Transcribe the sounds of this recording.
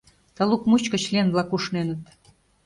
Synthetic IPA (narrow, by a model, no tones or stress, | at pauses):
t̪ə̆lukmut͡ɕkə̆t͡ɕlienβlɑkuʃnenə̆t̪